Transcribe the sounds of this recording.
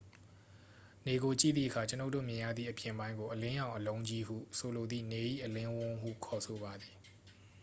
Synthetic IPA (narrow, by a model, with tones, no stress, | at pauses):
ne˨ɡo˨t͡ɕḭ˦˨d̪ði˦˨ʔəkʰa˨t͡ɕə˦no˦ʊtːo̰˦˨mjɪ̃˨ja̰˦˨d̪ðḭ˦˨ʔəpjɪ̃˨mbã˦ɪ̃ŋɡo˨ʔəlɪ̃˦jã˨ʊ̃ʔəlõ˦ʊ̃ɲd͡ʑi˦ɦṵ˦˨so˨lo˨d̪ðḭ˦˨ne˨ʔḭ˦˨ʔəlɪ̃˦wʊ̃˦ɦṵ˦˨kʰɔ˨so˨βa˨d̪i˨